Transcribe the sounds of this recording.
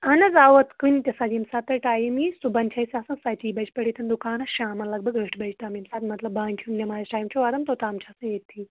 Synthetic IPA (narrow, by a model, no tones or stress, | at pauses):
ɐnɐzaːʋɐt̪kunʲt̪ʲɐsɐd͡ʒimsaːt̪ːɐʈaːjmisubɐnt͡ʃʰɐisʲaːsɨ̃sɐt͡ʃiːbɐd͡ʒʰpɐɽiːt̪ʰɐnd̪ukaːnɐʃaːmɐlɐɡbɐɡɐʈʰbɐt͡ʃʰt̪aːmimsaːt̪mɐt̪lɐbbaːnʲtʰunnʲɐmaːjɐsʈaːjimt͡ʃʰuʋad̪ɐmt̪ot̪aːmt͡ʃʰaːsɨ̃et̪ʰːi